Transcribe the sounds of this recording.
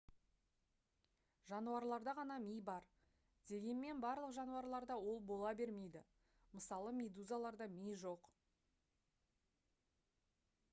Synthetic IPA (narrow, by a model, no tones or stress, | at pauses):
ʒɑnuɑɾlˠɑɾd̪ɑʁɑnɑmijbɑɾ | d̪e̞ɡʲe̞nme̞nbɑɾlˠəqʒɑnuɑɾlˠɑɾd̪ɑwo̞lˠbo̞lˠɑbe̞ɾme̞jd̪ɪ | məsɑlˠəmʲed̪uzalˠɑɾd̪ɑmijʒo̞q